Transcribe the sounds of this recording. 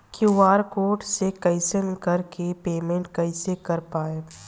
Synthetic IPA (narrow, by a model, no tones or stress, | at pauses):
kuʋaːɾkoːʈsekɐɪsənkɐɾkepeːmẽɳʈkɐɪsekɐɾpaːeː